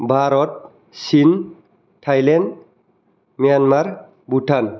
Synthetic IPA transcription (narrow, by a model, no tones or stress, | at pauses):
bʱaɾɔt̪̚ | sin | ʈʰajlanɖ | mijanmaɾ | buʈʰan